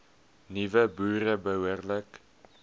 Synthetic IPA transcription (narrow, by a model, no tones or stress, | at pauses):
nivəbuːɾəbəɦuərlək